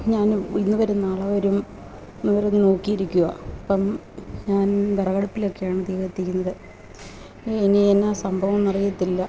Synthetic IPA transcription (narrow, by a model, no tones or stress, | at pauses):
ɲaːninːɨʋɐɾunːaːɭɐʋɐɾum | inːɨʋɐɾunːɨno̞ːkːijiɾikʲːuɣɐ̰ɐpːɐm | ɲaːnɡ̪ɐrɐɣɐɽɐpːilo̞kːejaːɳɨd̪iːɣɐɐt̪ːikʲːunːɐðɨ | enienːaːsɐmbʱɐʋɐmɐrijɐt̪ːilːɐ